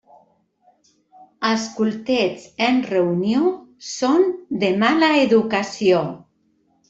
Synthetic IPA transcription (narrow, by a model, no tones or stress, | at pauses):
askulˠt̪et͡senreunjosond̪emalaeðukasio